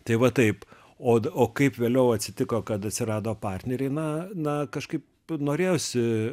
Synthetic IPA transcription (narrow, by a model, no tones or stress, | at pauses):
t̪ɐɪʋɐt̪ɐɪp | oːoːkɐɪpʋʲeːlʲɛʊɐt̪ʲsʲɪt̪ʲɪkoːkɐt̪ɐt̪ʲsʲɪrɑːd̪oːpɑːrʲt̪ʲnʲɛɾʲɛɪnɐnɐkɐʃkɐɪp | noːɾʲeːjoːsʲɪ